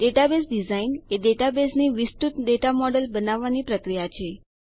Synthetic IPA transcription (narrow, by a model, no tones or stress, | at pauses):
ɖeʈabesɖizaineɖeʈabesniʋist̪ut̪ɖeʈamɔɖəlbənaʋːanipɾəkɾijat͡ʃʰe